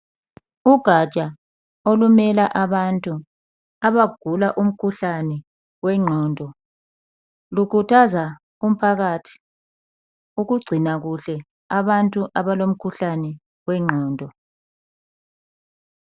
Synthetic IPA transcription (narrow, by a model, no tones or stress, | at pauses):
uɡ̥ʱḁt͡ʃʼa | olumɛlaʔaβantʼu | aβaɡ̥ʱulaʔum̩kʰuɬanɛ | wɛŋ͡ǃʱɔːndʱɔ | lukʰutʰaza | um̩pʰaɣatʰi̥ | uɣuɡ͡ǀʱinaɣuɬɛ | aβantʼuʔaβalom̩kʰuɬanɛ | wɛŋ͡ǃʱɔːndʱɔ